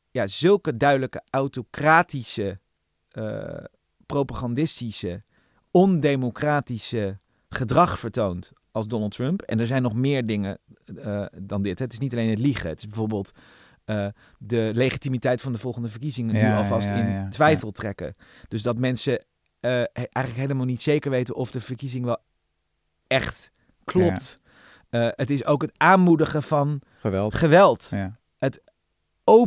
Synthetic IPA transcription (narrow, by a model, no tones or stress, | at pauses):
jaːzɵlˠkədœɥdələkəawtokraːtisə | ə̰ | prowpaχɑndɪstisə | ɔndejmokraːtisə | χədrɑχfəɹtownt | ɑlˠzdɔnəlˠtɹɵmpɛ̰nɛɹzɛjnːɔχmɪːɹdɪŋə | dɑndɪtɦɛətɪsnitɑlejnɦətliχə̰ətɪzbɛvoːɹbɪːlˠt | ə | dəlejχitimitɛjtfɑndəvɔlˠχəndəvəɹkizɪŋənyɑlˠvɑstɪntʋɛjfəlˠtrɛkə̰d̥ɵsdɑtmɛnsə | ʔɛjxχənləkɦejləmaːlˠnitsejkəɹʋejtənʔɔvdəvəɹkizɪŋʋɛlˠ | ɛχt | klɔptː | ətɪsowkɦətaːnmudəχəvɑn | χəʋɛlˠt | ɦət | o